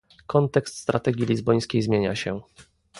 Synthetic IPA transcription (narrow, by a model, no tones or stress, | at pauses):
kɔnt̪ɛkst̪st̪ɾat̪ɛɡʲilʲizbɔj̃skʲejzmʲjeɲaɕɛ